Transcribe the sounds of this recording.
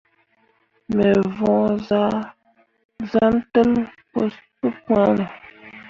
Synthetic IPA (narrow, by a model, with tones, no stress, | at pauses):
me˨vɔ̃˨za˦ | za˦n̩˦tə˦lp | pə˦pwa˦nə˨